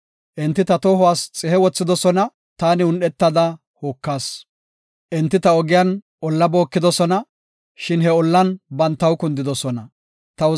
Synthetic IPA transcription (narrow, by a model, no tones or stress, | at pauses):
ʔɪnt̪ːɪt̪ɐt̪oːɦʊwaːst͡sʼɛhɛwɔt͡sːɪd̪ɔsɔnɐ | t̪aːnɪʊnɛt̪ːɐd̪ɐ | hoːkːaːs | ʔɪnt̪ːɪt̪ɐɔɡɪjan | ʔɔlːɐbo̞ːkːɪd̪ɔsɔnɐ | ʃɪnɦɛɔlːɐnbɐnt̪ːɐwkʊnd̪ɪd̪ɔsɔnɐ | t̪ɐ